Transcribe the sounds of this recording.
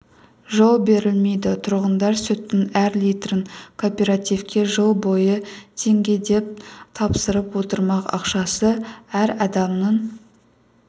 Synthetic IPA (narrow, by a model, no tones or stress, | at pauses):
ʒo̞lˠbe̞ɾɪlme̞jd̪ɪt̪ʰʊɾʁənd̪ɑɾsɵt̪ːɪŋæɾlijt̪rəŋkʰopʲe̞ɾat̪ijvkʲe̞ʒəlˠbo̞jət̪ʰe̞ŋɡʲe̞d̪e̞p̚t̪ʰɑpsəɾəpwo̞t̪əɾmɑqɑ̰qʃɑsəæɾɑd̪ɑmnəɴ